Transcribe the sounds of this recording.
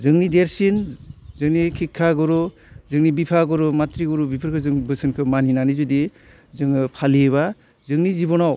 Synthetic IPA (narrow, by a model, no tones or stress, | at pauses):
zɯŋnideɾsinzɯŋnikʰikʰːaɡɔɾu | zɯŋnibipʰaɡɔɾɔmatɾiɡɔɾubipʰɯɾkʰɯzɯŋbɯsɯnkʰɯmaninanizudi | zɯŋɯpʰaliβa | zɯŋnizibɔnaw